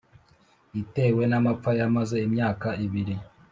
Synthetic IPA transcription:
ite̞ːwe̞namap͡fajamaze̞imɲaːkaiβiɾi

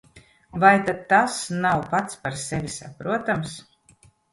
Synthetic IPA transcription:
vajt̪ad̪̚t̪ːasnawpat̪spaɾsɛvʲisapɾuɔt̪ams

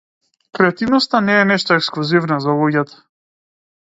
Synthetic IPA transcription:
kɾɛat̪ivnɔst̪anɛːnɛʃt̪ɔɛksklˠuzivnazalˠuɟat̪ḁ

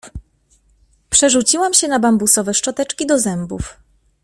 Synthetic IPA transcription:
pʂɛʐut͡ɕiwamɕɛnabambusɔvɛʂt͡ʂɔt̪ɛt͡ʂkʲid̪ɔzɛmbṵf

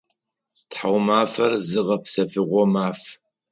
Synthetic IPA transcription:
tħawmaːfɐrzɨʁɐpsɐfɨʁʷɔmaːf

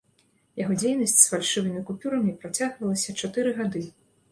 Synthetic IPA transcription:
jaɣɔd͡zʲejnɐsʲt͡sʲsfalʲʂɨvɨmʲikupʲuɾɐmʲipɾat͡sʲaɣvɐlˠɐsʲɐt͡ʂat̪ɨɾɨɣad̪ɨ

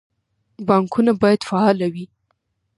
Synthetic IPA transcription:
bɑŋkunabɑjad̪̥faɑlawi

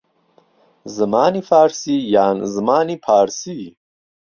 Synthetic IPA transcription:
zəmɑːnifɑːɾsijaːnzmaːnipʰaːɾsi

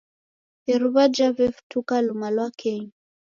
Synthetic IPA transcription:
ɛɾuβad͡ʒavɛftukalumalwakʰɛɲ

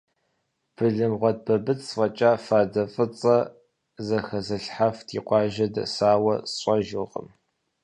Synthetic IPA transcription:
pʰɨɮɨmʁʷɔd̚bʰɐbɨt͡sʼsfʼɐt͡ʃʼaːfaːdɐfʼɨt͡sʼɐ | zɐxɐzɐɬħaftʰiːqʷʼɑːʒɐdɐsaːwɐsɕʷʼɐʒɨqʼə̰m

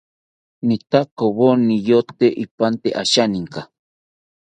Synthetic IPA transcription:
nit̪akoβonijot̪eʔipant̪eʔaʃanĩŋka

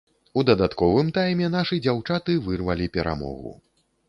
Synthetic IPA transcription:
ud̪ɐd̪at̪kɔvɨmt̪ajmʲɛnaʂɨd͡zʲawt͡ʂat̪ɨvɨrvɐlʲipʲɛɾʔa̰mɔ̰ɣṵ

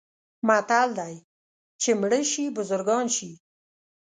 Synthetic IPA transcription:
mat̪ald̪aj | t͡ʃemɽəʃibʊzʊɾɡɑnʃi

